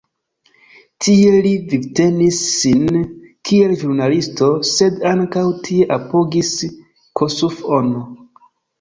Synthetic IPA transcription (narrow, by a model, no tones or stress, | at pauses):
tʰie̞livivte̞nisːinkʰie̞lʒuɾnalisto̞se̞daŋkawtʰie̞ʔapo̞ɡis | kʰosufono